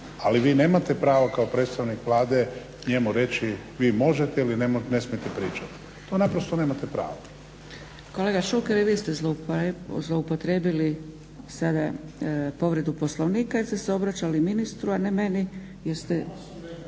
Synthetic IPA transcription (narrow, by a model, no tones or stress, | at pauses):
aliʋiːne̞ːmat̪epɾaːʋakaopɾeːt̪st̪aʋnikʋlˠaːd̪e | ɲemuɾe̞t͡ʃiʋiːmo̞ʒet̪eilinemnesmijet̪epɾiːt͡ʃat̪i̥ | t̪onapɾost̪oneːmat̪epɾa̰ːʋa | ko̞leɡaʃukeɾʋiːst̪ezozlo̞upo̞t̪ɾeːbili | sad̪apo̞ʋɾe̞d̪upo̞slˠoʋniːkaist̪e̞seo̞bɾat͡ɕaliminist̪ɾuaneme̞ni | jest̪e